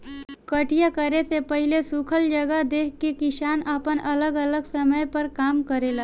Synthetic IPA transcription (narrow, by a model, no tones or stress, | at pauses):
kəʈijakəɾesepɐɦɪlesukʰəld͡ʒəɡəɦd̪eːkʰkekɪʃaːnəpənʔɐləɡələɡsɐməjpɐɾkaːmkəɾelaː